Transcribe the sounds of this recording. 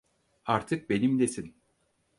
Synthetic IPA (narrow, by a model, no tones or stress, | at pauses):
aɾt̪ʰɯk̚benimd̪esin